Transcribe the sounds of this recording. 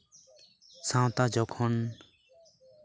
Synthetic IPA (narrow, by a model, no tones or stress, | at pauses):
sãwt̪ad͡ʒɔkʰɔn